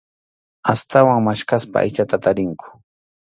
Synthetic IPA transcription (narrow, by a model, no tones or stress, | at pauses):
ast̪awaŋmaʃkaspa̰a̰jt͡ʃat̪at̪aɾɪŋkʊ̥